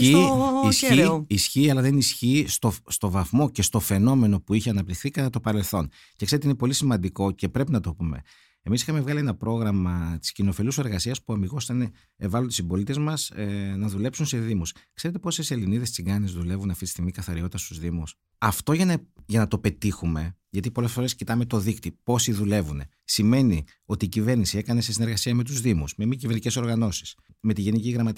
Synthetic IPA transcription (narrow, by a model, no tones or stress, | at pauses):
iisiisçiːɐlɐðenisçiːst̪o̞st̪o̞vɐθmo̞ce̞st̪o̞fe̞no̞me̞no̞puiçeɐnɐpt̪ixθikɐt̪ɐt̪o̞pɐɾe̞lθo̞n | cekseɾt̪einepo̞lisimɐnd̪iko̞ce̞pɾe̞pinɐt̪o̞pume̞̰ | emisixɐme̞vɣɐlie̞nɐpɾo̞ɣɾɐmɐt̪i̥scino̞filuse̞ɾɣɐsiɐspuɐmiɣo̞st̪ɐne | evɐlot̪isibo̞lit̪e̞zmɐsnɐðule̞psunse̞ðimuskse̞ɾet̪e̞po̞sese̞liniðest͡siɡɐnizðule̞vunɐftit̪i̥st̪iɣmikɐθɐɾiot̪it̪ɐst̪uzðimus | ɐft̪o̞ʝɐnɐʝɐnɐt̪o̞pe̞t̪ixume̞ʝɐt̪ipo̞le̞sfo̞ɾe̞scit̪ɐme̞t̪o̞ðikt̪ipo̞siðule̞vune | sime̞ni | o̞t̪iːcive̞ɾnisie̞kɐne̞se̞sineɾɣɐsiɐme̞t̪̬uzðimusmemicivenice̞so̞ɾɣɐno̞si̥s | me̞t̪iʝe̞niciɣɾɐmɐt̪